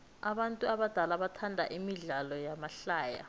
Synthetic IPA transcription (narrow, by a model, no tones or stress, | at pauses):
aɓantʼuaɓad̥ʱalaɓatʰandʱa̰ʔimiɮalɔjamaɬaːja̰